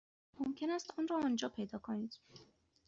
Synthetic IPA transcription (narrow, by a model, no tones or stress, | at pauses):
momcʰe̞næst̪ɒːnrɒːɒːnd͡ʒɒːpʰe̞jd̪ɒːkʰoniːd̪̥